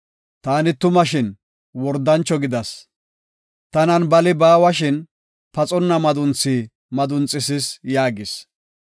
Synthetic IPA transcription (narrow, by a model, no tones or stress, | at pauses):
t̪aːnɪt̪ʊmɐʃɪn | wɔɾd̪ːɐnt͡ʃːɔɡɪd̪ɐs | t̪ɐnɐnbɐlɪbaːwɐʃɪn | pɐt͡sʼɔnːɐmɐd̪ʊnt͡sːiː | mɐd̪ʊnt͡sʼːɪsɪsjaːɡɪs